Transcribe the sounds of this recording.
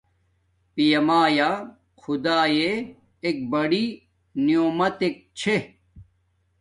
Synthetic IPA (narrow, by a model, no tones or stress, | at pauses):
pijɐmaːjaː | xʰud̪aːjeː | k̚bɐɽi | nijoːmɐt̪ek̚t͡ɕʰe